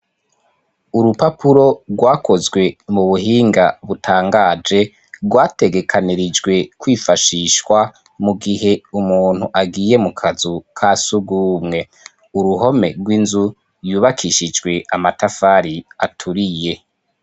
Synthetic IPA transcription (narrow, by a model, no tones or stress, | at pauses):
uɾupapʰuɾo̞ɡwaːko̞zɡwe̞muβuɦiːŋɡa̰βutʰaːŋɡaːd͡ʒe̞ | ɡwaːte̞ɡe̞kʰaniɾid͡ʒɡwe̞kwiːfaʃiːʃwa | muɡiɦe̞umuːn̥huʔaɡiːje̞mukʰazukʰasubɡuːmŋe̞ | uɾuɦo̞me̞̰ɾɡwinzu | juːβakʰiʃid͡ʒɡwe̞ʔamatafaɾiatʰuɾije̞